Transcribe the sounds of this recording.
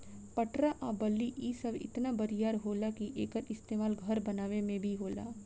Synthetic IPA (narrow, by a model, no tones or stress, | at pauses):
pɐʈɾaʔabɐlːiʔiːsəbɪ̰t̪nabɐɾijaːɾɦoːlakiʔeːkəɾʔɪst̪eːmaːlɡʱɐɾbɐnaːʋemẽbʱiɦoːla̰ː